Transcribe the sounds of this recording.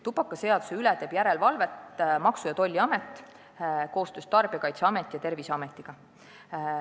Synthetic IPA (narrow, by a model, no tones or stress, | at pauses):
t̪upɑkːˑɑse̞ɑd̪̥u̥se̞ylɛt̪e̞ːb̥jæɾe̞lvɑlve̞t̪mɑksujɑt̪o̞lʲːiɑmet̪ːˑ | ko̞ːst̪øːst̪ɑrb̥iɑkɑjt̪seɑmet̪ːˑijɑt̪e̞rviseɑmet̪ːˑiɡ̥ɑ